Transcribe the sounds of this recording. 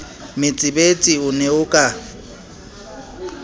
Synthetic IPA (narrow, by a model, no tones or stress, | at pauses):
mɪt͡sʼɪbet͡sʼiʊnɛʊkʼa